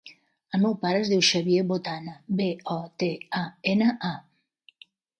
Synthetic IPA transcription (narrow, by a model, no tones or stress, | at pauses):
əlmewpaɾəzðiwʃaβjeβot̪anəbeɔt̪eaenəʔa